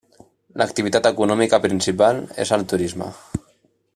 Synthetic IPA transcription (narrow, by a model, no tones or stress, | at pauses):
lək̚t̪iβit̪at̪əkunɔmikapɾinsipalḛzəlˠt̪uɾizmə̰